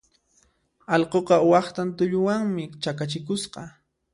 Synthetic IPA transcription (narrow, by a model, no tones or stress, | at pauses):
ɑlqoqɑwɑχt̪ant̪ʊʎʊwaŋmɪt͡ʃakat͡ʃɪkʊsqɑ